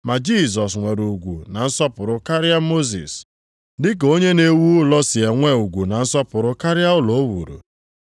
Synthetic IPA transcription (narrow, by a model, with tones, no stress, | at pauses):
ma˨d͡ʒi˦˨s̬ɔ˨s̬ŋʷe˨ɾu˨ɡʷṵ˨na˨n̩˦sɔ˦pʊ˨ɾʊ˦ka˦ɾja˦mo˦zḭ˨s | dɪ˦k̬o˦ɲe˦ne˦wu˦lɔ˦sɪ˨e˨ŋʷe˦u˨ɡʷu˨na˨n̩˦sɔ˦pʊ˨ɾʊ˦ka˦ɾɪja˦ʊ˦lɔ˨˦wṵ˨ɾṵ˨